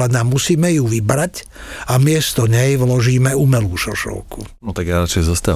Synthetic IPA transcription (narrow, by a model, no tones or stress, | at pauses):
ɛnamːusiːmɛjuʋibɾac | amɪɛst̪ɔɲɛjʋlɔʒiːmɛumɛluːʃɔʃɔ̰ʊkʰṵnɔt̪aɡjaɾat͡ʃɛjzɔst̪a